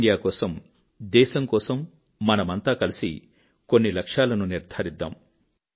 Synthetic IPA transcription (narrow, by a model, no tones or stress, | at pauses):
ɖijaːkɔːsɐm | d̪eːsɐmkɔːsɐmː | ɐnɐmɐnt̪aːkɐlisḭ | konːilɐkʂaːlɐnuniɾd̪ʱaɾid̪ːa̰ːm